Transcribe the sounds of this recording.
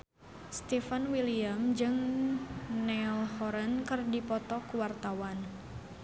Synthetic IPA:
st̪ɛfanwiliamd͡ʒɨŋ | nɛlhɔɾənkɨrdipɔt̪ɔkuwart̪awan

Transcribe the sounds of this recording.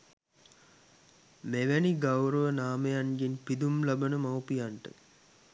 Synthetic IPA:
meʋæniɡawɾəʋənaːməjanɡinpid̪umlabənəmawpijanʈə̰

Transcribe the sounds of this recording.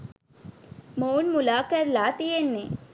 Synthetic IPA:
moːnmʊlaːkɐɾlaːt̪ijeɳːeː

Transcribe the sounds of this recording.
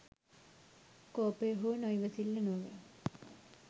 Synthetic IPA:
koːpəjɦuːnojʋəsilːənuʋə

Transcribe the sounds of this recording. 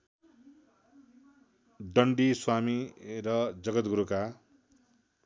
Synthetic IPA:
ɖʌɳɖiswamirʌd͡zʌɡʌt̪ɡuɾuka

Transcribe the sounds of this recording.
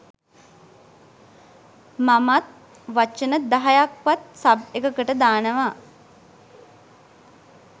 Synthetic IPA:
mamat̪̚ | ʋat͡ʃənəd̪aɦajakʋat̪̚sabekəkəʈəd̪aːnəʋa

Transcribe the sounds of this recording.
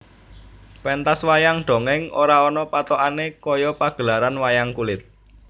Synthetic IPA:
pɛnt̪aswajaŋɖ̪̥o̤ŋɪŋo̰ɾaɔnɔpat̪oʔanekɔjɔpaɡ̥ə̤laɾanwajaŋkulɪt̪̚

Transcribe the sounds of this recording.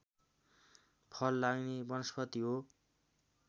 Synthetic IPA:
pʰʌlːaɡnebʌnʌspʰʌt̪iɦo

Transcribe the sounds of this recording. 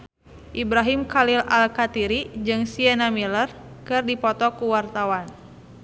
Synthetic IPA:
ʔibɾaɦimkalila̰lkat̪iɾid͡ʒɨŋsiɛnamilər | kɨrdipɔt̪ɔkuwart̪awan

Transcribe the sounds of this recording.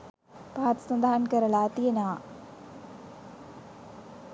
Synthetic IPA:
paat̪sɐnd̪aɦankəɾəlat̪ijena

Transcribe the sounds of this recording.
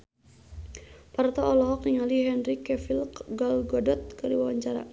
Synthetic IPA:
part̪ɔɔlɔɦɔkniŋaliɦɛnɾikɛfilkɡɔlɡɔdɔt̪̚kəɾiwawaɲt͡ʃaɾa̰

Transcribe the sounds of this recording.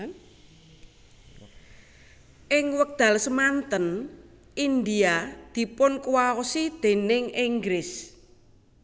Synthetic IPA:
ʔɪŋwək̚d̪̥a̤lsəmant̪ən | ʔind̪iad̪̥i̤pʊnkuwaosid̪̥e̤nɪŋiŋɡɾɪs

